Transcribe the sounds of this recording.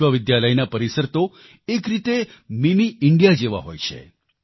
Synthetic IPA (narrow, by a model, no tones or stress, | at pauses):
ʋaʋɪd̪jaləjnapəɾisəɾt̪o | ekɾit̪emimiɪɳɖijad͡ʒeʋa̰ɦo̰jt͡ʃʰḛ